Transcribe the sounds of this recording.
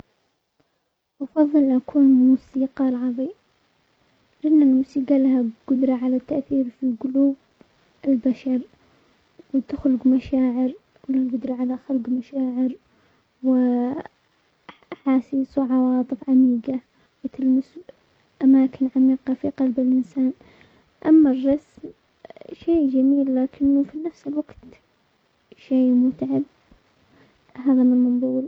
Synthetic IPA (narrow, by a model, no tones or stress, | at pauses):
ʔɑfɑðˤːɨlʔakʰuːnmuːsiːqɑlʕɑðˤi | lɪnːalmuːsiːɡalahaɡ̥ʊd̪ɾˤɑʕalat̪ːaʔθiːɾfiɡʊluːb | ɪlbaʃɑɾˤ | wɪt̪ɪxlʊɡmaʃaːʕɪɾ | kulaɡʊd̪ɾˤɑʕalaxalɡmaʃaːʕɪɾ | wɪ | aħaːsiːswʕɑwɑːt̪ˤɨfʕamiːɡa | wɪt̪ɪlmɪs | ʔamaːkɪnʕamiːqɑfiqɑlbɪlʔɪnsaːn | ʔamːarːɑsm | ʃeːd͡ʒamiːlːaːkʰɪnːʊfinafsɪlwaɡt̪ | ʃeːmʊt̪ʕab | ɦaːðamɪnmɑnðˤuːl